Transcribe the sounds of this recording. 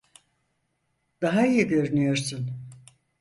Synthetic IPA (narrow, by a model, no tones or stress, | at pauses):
d̪̥aɦaijiɟø̞ɾynyjo̞ɾsun